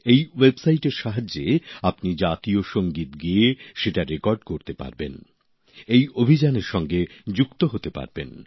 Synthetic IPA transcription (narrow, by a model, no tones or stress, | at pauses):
ejwebsajʈeɾʃaɦad͡ʑːeapnid͡ʑat̪ioʃoŋɡit̪ɡieʃeʈaɾekɔɾɖkoɾt̪epa̰ɾbḛn | ejobʱid͡ʑaneɾʃɔŋɡed͡ʑukt̪oɦot̪epa̰ɾbḛn